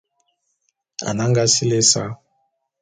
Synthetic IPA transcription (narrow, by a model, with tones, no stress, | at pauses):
a̰˨na˦ŋɡa˦si˦le˦sa̰˦